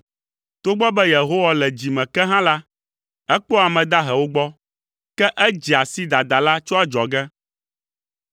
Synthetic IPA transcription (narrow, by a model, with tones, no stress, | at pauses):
t̪o˦ɡ͡bɔ˦bɛ˦je˨ɦo˦wa˦lɛ˨d͡ʑi˨mɛ̃˨kɛ˦ɦã˦la˦ | ɛ˦k͡pɔ˦a˨mɛ̃˨d̪a˦ɦɛ˨wo˦ɡ͡bɔ˦ | kɛ˦ʔɛ˦d͡ʑi˨a˨si˦d̪a˨d̪a˨la˦t͡ʃɔ˦a˦d͡ʒɔ˨ɡɛ˦